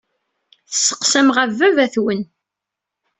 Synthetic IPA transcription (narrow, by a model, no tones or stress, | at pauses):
θəsːə̥qsæmʁævːævæθwən